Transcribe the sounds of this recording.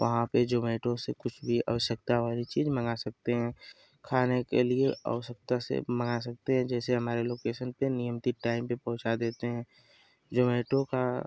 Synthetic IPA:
ʋʔɐ̰ɦãped͡ʒoːmeːʈõsekʊt͡ʃʰbʱiʔɐ̰ʋəʃjək̚t̪aʋaːɾit͡ʃiːzmɐŋasɐk̚t̪eɦɛ̃ː | kʰaːnekelieə̰ʋəʃək̚t̪asḛməŋas̬ɐk̚t̪eɦɛ̃d͡ʒɛːseɦɐmaːɾeloːkeːʃənpenijəmt̪iʈaːɪmpepɐɦʊ̃t͡ʃad̪eːt̪eɦɛ̃ː | d͡ʒoːmeːʈõka

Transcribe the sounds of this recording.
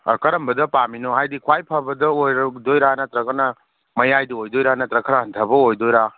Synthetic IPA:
kɐɾɐmbɐdɐpaminoɦajdikʰwajpʰabɐdɐojɾdojɾanɐtɾɐɡɐnɐ | mɐjajdiojdojɾanɐtɾɐkʰəɾaɦɐntʰɐbɐojdojɾa

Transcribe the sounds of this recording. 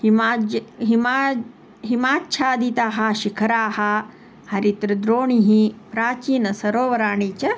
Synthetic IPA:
himaɦima | ɦimaːtːʃʰaːd̪it̪aːɦɐ̆ʃikʰɐɾaːhɐ̆ | hɐɾit̪ɾɐd̪ɾoːɳiɦipɾaːt͡ʃiːnɐsɐɾoːʋɐɾaːɳiːt͡ʃɐ

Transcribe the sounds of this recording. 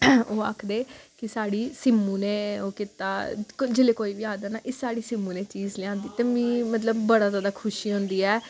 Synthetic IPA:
oːa̰ːkʰd̪eːkɪsaːɽiːsɪmːũːnẽːoːkiːt̪aːd͡ʒeleːkoːiːbiːaːd̪aːna̰ːʔɪsaːɽiːsɪmːũːneːt͡ʃiːzlɪãːnd̪iːt̪eːmĩːmət̪̬ləbːəɽaːzaːd̪aːkʰʊʃiːɦõːnd̪iːɛː

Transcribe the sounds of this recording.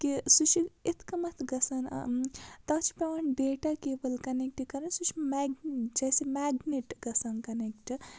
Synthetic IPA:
kisut͡ʃʰiit̪ʰkɐmɐt̪ʰɡɐsɐn̰ | t̪ɐt͡ʃʰi̥pɾɐʋɐnɖeːʈakeːbɐlkɐnek̚ʈikɐɾɐnsut͡ʃʰimaɡt͡ʃɐjsemaːɡneʈɡɐsɐnkɐnekʈ

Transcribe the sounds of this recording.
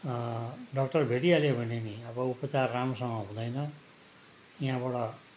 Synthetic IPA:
ɖʌkʈʌrbʱeʈialebʱʌneniʌbʌupʌt͡sarːamsʌŋʌɦũd̪ʌjnʌ | jɦãbʌɽʌ

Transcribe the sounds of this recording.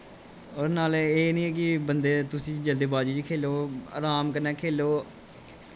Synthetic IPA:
oːɾnaːleːnĩːɛːk̬ɪbənd̪eːt̪ʊsĩːd͡ʒəld̪eːbaːd͡ʒiːd͡ʒiːkʰeːloːa̰ːɾaːmkəɾnɛːkʰeːloː

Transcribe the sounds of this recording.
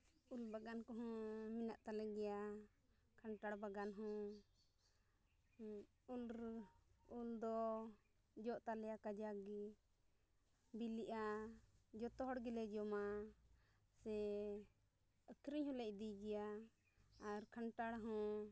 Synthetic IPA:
ulbaɡankɔɦɔ̃minaʔt̪alɛɡɛja | kʰaɳʈaɽbaɡanɦɔ̃ | ul | uld̪ɔ | d͡ʒɔʔt̪alɛjakad͡ʒaɡi | biliʔa | d͡ʒɔt̪ɔɦɔɽɡilɛd͡ʒɔma | sɛ | əkʰɾiɲhũlɛʔ̚d̪iɡɛjaː | ɾkʰaɳʈaɽɦɔ̃

